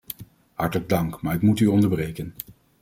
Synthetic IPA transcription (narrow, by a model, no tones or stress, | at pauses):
hɑɹtələɡ̚dɑŋkmaːɹɪkmutyɔndəɹbrejkən